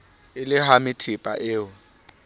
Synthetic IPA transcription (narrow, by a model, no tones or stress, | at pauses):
ɪlɪɦamɪtʰɪpʼa̰ʔɪːʊ